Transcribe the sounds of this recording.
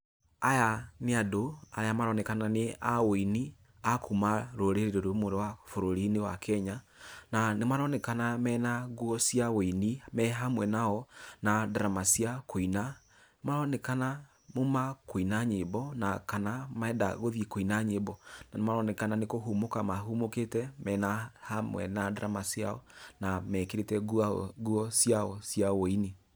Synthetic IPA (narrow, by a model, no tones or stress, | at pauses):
ajaneadoa̰ɾeamaɾɔnɛkananeaweini | akʰumaɾoɾeɾeɾeɾomoɾewafoɾoɾinewa̰kʰɛɲa | nanemaɾɔnɛkanamɛnaɣwɔsiaweinimɛɦamwɛnaɔnadaɾamasiakoina | nemaɾɔnekana | momakoinaɲebɔnakanamaɛda̰ɣoðekoinaɲebɔnanemaɾɔnekananekoɦumokamaɦumoketɛmɛnahamwɛ̰nadaɾamasja̰ɔ̰namɛkeɾetɛɣuɔsjaɔsjawoini